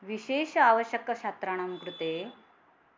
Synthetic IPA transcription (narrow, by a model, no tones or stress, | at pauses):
ʋiɕeɕaʋəɕjəkːəɕat̪ɾaɽ̃amkɾut̪e